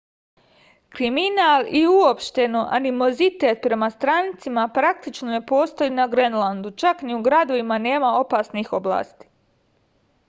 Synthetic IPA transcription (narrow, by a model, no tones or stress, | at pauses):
kɾiminaːliuopʃt̪e̞noʔa̰nimo̞zit̪eːt̪̚pɾe̞mast̪ɾanit̪simapɾak̚t̪it͡ʃnone̞po̞ːst̪o̞inaɡɾenlˠand̪ut͡ʃakniuɡɾad̪o̞ʋimane̞ːmao̞paːsnixo̞bla̰ːst̪i̥